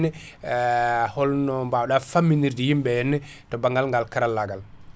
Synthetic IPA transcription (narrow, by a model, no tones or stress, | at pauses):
nɛ | hɔlnɔmbawɗafamːiniɾdijimbɛjɛnːɛ | tɔbaŋɡalŋɡalkaɾalːaɡal